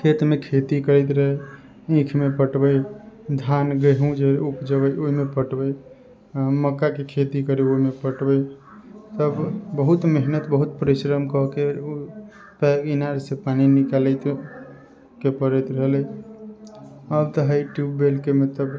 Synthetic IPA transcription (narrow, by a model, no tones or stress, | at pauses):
kʰet̪mekʰet̪ikəɾət̪ɾəɦɛ | ĩkʰmepəʈbəjd̪ʱanɡəɦũd͡ʒeupd͡ʒəβəjoɦimepəʈbəj | məkːakekʰet̪ikəɾiomepəʈbəj | t̪əbbəɦut̪meɦnət̪bəɦut̪̚pəɾisɾəmkɔke | pɛkinaɾsẽpaninikalət̪ | kepəɾət̪ɾəɦlɛ | əbt̪əɦajʈjubːelkemet̪əb